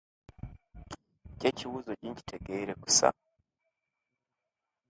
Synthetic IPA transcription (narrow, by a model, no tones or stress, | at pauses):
cɛt͡ʃiwuzɔʄiɲt͡ʃi̥tʰɛɡɛiɾɛku̥sa̰